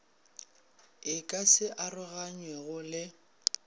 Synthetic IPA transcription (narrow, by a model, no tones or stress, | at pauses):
ɪkʼasɪʔarʊɣaɲwɛɣʊlɪ